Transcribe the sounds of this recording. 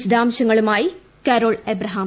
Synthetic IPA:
t͡ɕd̪aːmɕɐŋːɐɭumaːji | kɐɾoːɭebɾɐɦaːm

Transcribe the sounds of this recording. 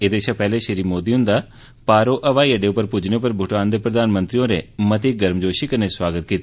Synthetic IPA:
eːd̪eːʃapɛɦleʃəɾiːmoːd̪iɦʊ̃nd̪a | paːɾoʔɐʋaːiɐɖeʊpəɾpʊd͡ʒʱɽ̃epəɾbʱʊʈaːnd̪epɾəd̪aːnmə̃nt̪ɾijõɾemɐt̪iɡɐɾmd͡ʒoːʃikɐneswaːɡət̪̚kiːt̪i

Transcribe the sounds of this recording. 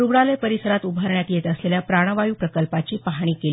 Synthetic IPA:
ɾuɡɽalepəɾisəɾat̪ubʱəɾɳjat̪jet̪əsleljapɾaɽ̃əʋajuːpɾəkəlpat͡ɕiːpaɦɳ̃iːkeli

